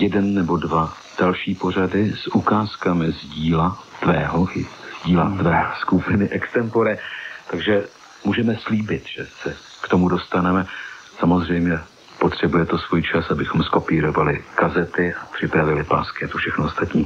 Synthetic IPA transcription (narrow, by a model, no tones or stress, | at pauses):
jɛdɛnːɛbo̞dva | d̥alʃiːpo̞r̝adɪsʔukaːskamɪzɟiːlat̪vɛːɦoʔɪz̥ɟiːlat̪vɛːskupɪnɪʔɛkst̪ɛmpoɾɛt̪aɡʒɛ | muːʒɛmɛsliːbɪt̪ʒ̥ɛsɛ | kt̪o̞mudo̞st̪anɛmɛ | samo̞zr̝ɛjmɲɛ | po̞t̪r̝̥ɛbujɛt̪o̞svuːjt͡ʃasabɪxo̞msko̞piːɾo̞valɪkazɛt̪ɪapr̥ɪpɾavɪlɪpa̰ːskɪat̪ofʃɛxnoost̪at̪ɲiː